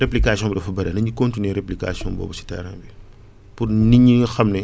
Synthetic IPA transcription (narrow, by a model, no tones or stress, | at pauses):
ɾeplikaːsiɔ̃mbdɐfɐbɐɾɐnɐɲikɔntineɾeplika̰ːsijɔ̰̃ːbɔ̰ːbusi̥tɛ̰ɾã̰ːbi | purniɲːixɐmnɛ